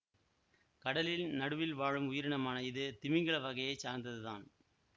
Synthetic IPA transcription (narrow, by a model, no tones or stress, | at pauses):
kɐɽɐlɪlnɐɽɯʋɪlʋaːɻɯmʊjɪɾɪɳɐmaːnɐɪðɯt̪ɪmɪŋɡɐɭɐʋɐɣɐjɐɪt͡ʃːaːɾnd̪ɐðɯðaːn